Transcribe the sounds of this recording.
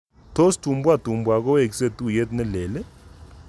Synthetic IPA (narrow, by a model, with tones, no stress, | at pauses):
tʰo˦stu˨mbwa˦tu˨mbwa˨k̬ɔ˦e˨k̬i˦se˦tʼu˦je˦tnɛ˦lɛː˨lɛ˦